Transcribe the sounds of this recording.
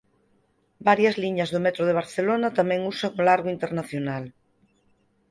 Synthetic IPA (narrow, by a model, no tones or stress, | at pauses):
baɾjɐzliɲɐzðʊmɛt̪ɾoð̞eβ̞aɾθelonat̪amɛ̃ŋusaŋolaɾɣoint̪eɾnaθjonal